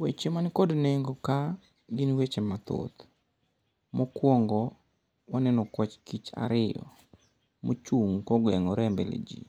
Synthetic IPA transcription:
wet͡ʃemankodneŋɡoka | ɡinwet͡ʃemat̪o̰t̪ | mokwɔŋɡɔ | wanɛnɔkwɔt͡ʃkit͡ʃa̰ɾɪjɔ̰ | mot͡ʃuŋkɔɡwɛŋɔɾɛmbɛlḛd͡ʒḭ

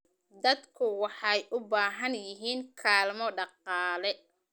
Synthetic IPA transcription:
d̪ɐd̪kʰʊwɑħɑjʔʊbaːɦɐnjɪɦiːŋkʰaːlmɔɖɑqɑːlɛ

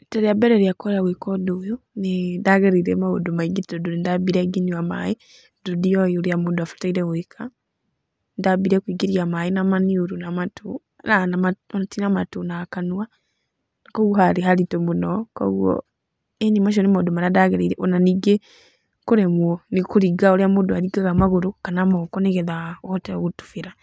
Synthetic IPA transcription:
taɾiabɛɾeɾiakoɾawekɔdojonidaɣeɾiɾemaodomaiɡiɾidodoɾindabiɾeɡiniwama̰ji | dudiojiuɾjamuduafḁtaiɾewekʰa | ndabiɾekwiɡiɾiamainamaniuɾunamatu | nanamanatinamatunakanua | nakoɣohaɾiɦaɾitomunoko̰ɣwo̰ | eɲimaʃ̬ɔnimodomaɾadaɣeɾeiɾeʔonaniɡe | kuɾemwonikuɾiɡaoɾiamuduaɾiɡaɣamaɣuɾukanamokoneɣeðaoteɣutu̥fiɾa

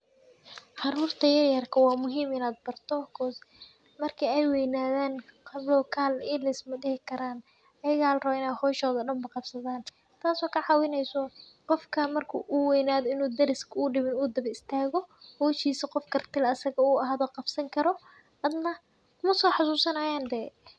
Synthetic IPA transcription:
ʕɑɾuːrt̪ʰɐjɐrjɐrkʰɐwɑːmʊɦiːmɪnaːd̪̚bɐrt̪ʰɔkʰɔːs | mɐrkʰɛɛjwɛjnaːðaːnkʰlɔːkʰaːlɪlɪsmɐdɪhɪkʰɐɾaːn | ɐjɪɣaːlɐrɐβɐɪnaːhɔːʃɔːðɐɖɐmbɐqɑbsɐðaːn | t̪ʰaːsɔːkʰɐʕɑːwɪnɛjsɔ | qɔfkʰɐmɐrkʰʊ̰ʔuwɛjnaːðɔɪnuːd̪ɐɾɪskʰɐʊɖɪβɪnuːd̪ɐβɐɪst̪ʰaːɣɔhɔːʃiːsɐqɔfkʰɐrt̪ʰɪlɐsɐɣɐuːɐɦaːðɔːqɑbsɐŋkʰɐɾɔ | ɐd̪nɐ | kʊmɐsɔːħasuːsɐnɐːjaːnd̪ɛː

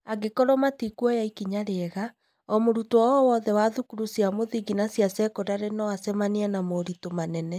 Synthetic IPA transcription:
aɡekɔɾɔmatikwɔjaikiɲaɾeɛɣa | ɔmoɾutwɔɔwɔðɛwaðukuɾusjamoðiɡinasjasɛkodaɾenɔasɛmanianamoɾitomanɛnɛ

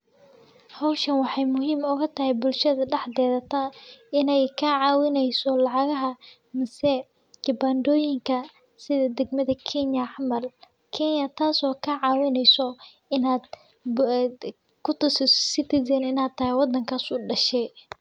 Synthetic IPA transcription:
hɔwʃɐnwɑħɑjmʊɦiːmʊɣɐt̪ʰɐɦɛjbʊlʃɐðɐɖɛħd̪ɛːðɐt̪ʰaɪnɛjkʰɐʕɑːwɪnɛjsɔlɑʕɑɣɐɦɐ | mɪsɛ | d͡ʒɪbaːnd̪ɔːjɪŋkʰɐ | sɪðɐd̪ɛɡmɐðɐkʰɛnjɐʕɑmɐl | kʰɛnjɐt̪ʰaːsɔːkʰɐʕɑːwɪnɛjsɔ | ɪnaːd̪ | kʰʊt̪ʰʊsɪssɪt̪ʰɪsɛnɪnaːd̪̚t̪ʰːɐhɛwɑd̪ːɐŋkʰaːsʊɖɐʃɛ

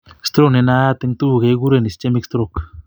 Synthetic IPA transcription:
st̪ɾoknenaat̪eŋt̪uuɣeɡuɾenist͡ʃemikst̪ɾok

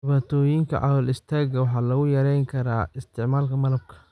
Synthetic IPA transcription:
dɪβaːt̪ʰɔːjɪŋkʰɐ̰ʕɑ̰wɐlɪst̪ʰaːɡɐwɑħɑːlɐɣʊjɐɾɛjŋkʰɐɾaːɪst̪ʰɪʕmaːlkʰɐmɐlɐb̚kʰɐ̥

